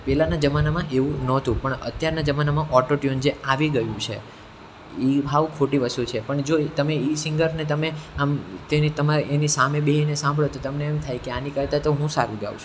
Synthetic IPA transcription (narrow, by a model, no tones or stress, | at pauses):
pɛlanad͡ʒəmanamãʔeʋũnɔt̪ũpəɳə̰t̪jaɾnad͡ʒəmanamãʔɔʈoʈjond͡ʒeaʋiɡəjũt͡ʃʰḛ | ibʱaʋũkʰoʈiʋəst̪ut͡ʃʰepəɳd͡ʒot̪əmeisiŋɡəɾnet̪əmeamt̪enit̪əmaɾenisameɓeɦinesãmbʱɭot̪ot̪əmneːmt̪ʰajkeanikəɾt̪at̪oɦũsaɾũd͡ʒa̰ʋ̰t͡ʃʰũ